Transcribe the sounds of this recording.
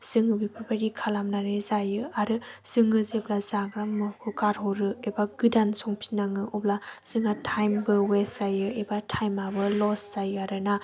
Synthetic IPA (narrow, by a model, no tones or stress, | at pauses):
sɯŋɯbipʰɔpʰaɾikʰalamnaɾezajɯaɾɯsɯŋɯzeblazaɡɾamɯhukaɾɦɔɾɯebaɡ̥ɯdansɔŋpʰi̥naŋɯʔublaz̥ɯŋatʰajmbɯwesajɯebatʰajmabɯlɔszajɯaɾɯna